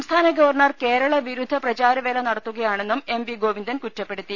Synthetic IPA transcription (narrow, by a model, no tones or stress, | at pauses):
mst̪ʰaːnɐɡɐʋɐrɳɐrke̞ːɾɐɭɐʋiɾud̪ʱːɐprɐt͡ɕaːɾɐʋeːlɐnɐɽɐt̪ːuɣɐjaːɳe̞nːume̞mbiɡo̞ːʋind̪ɐnkutːɐpːe̞ɽut̪ːi